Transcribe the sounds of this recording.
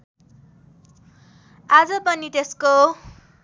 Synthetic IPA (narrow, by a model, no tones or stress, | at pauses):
ad͡zʌpʌnit̪esko